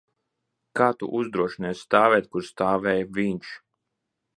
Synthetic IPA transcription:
kaːt̪ṵʔuzd̪ɾuɔʃinɛst̪aːvɛːt̪̚kuɾst̪aːvɛːjvʲiɲʃ

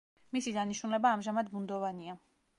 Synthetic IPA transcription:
misid̪aniʃnulɛbaːmʒamad̪mund̪ɔvania

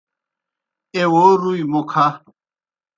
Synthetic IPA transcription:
ewoɾuimokʰa

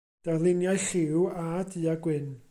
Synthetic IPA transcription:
d̥arlˠɪnjajɬɪwadiːaɡwɪn

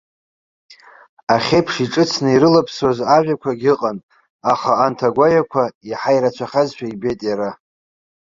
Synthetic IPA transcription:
aχʲepʰʂiʈ͡ʂʼɨt͡sʰnɨiɾɨlapʰsozaʒᶣakʷʰaɡʲɪqʼanʼ | aχaːntʰaɡʷajakʷʰaiħajɾat͡ʃʷʰaχʲazʃʷᶣʰaibejtʼjaɾa

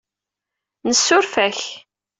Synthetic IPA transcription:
nəsːʊɾfæç

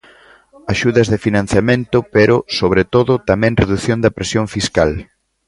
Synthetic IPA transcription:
aʃuðɐzðefinãnθjamẽnt̪ʊpeɾʊsoβɾet̪oðʊt̪amɛ̃ŋreðuθjond̪ɐpɾesjoɱfiskal

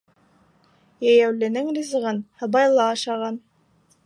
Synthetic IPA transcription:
jæjæwlɘ̆nɘŋɾʲizɤʁɤnhɤ̆bɑjlˠɑːʃɑʁɑn

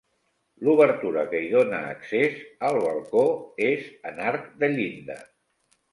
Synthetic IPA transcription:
luβ̞əɾt̪uɾəkəiðonə̰ːksezəlˠβəlˠkoezənaɾkd̪əʎind̪ə̰

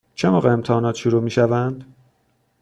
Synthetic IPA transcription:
t͡ʃʰemoːʁeemt̪ʰehɒːnɒːt̪ʃuɾuːmiːʃævænd̪̥

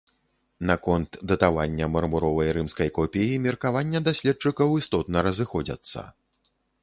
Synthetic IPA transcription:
nakɔnt̪d̪ɐt̪avanʲːɐmɐrmuɾɔvɐjɾɨmskɐjkɔpʲejimʲɛrkavanʲːɐd̪asʲlʲɛt̪̚t͡ʂɨkɐwist̪ɔt̪nɐɾɐzɨxɔd͡zʲɐ̰t̪sːɐ̰

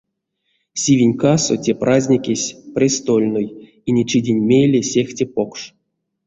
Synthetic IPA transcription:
sʲivʲinʲkasotʲeprʔazʲnʲikʲesʲprʲest̪olʲnoj | inʲet͡ʃidʲenʲmʲejlʲesʲexʲtʲepo̞kʂ

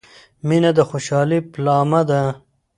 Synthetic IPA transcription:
minad̪əxoʃɑːliplɑːmad̪a

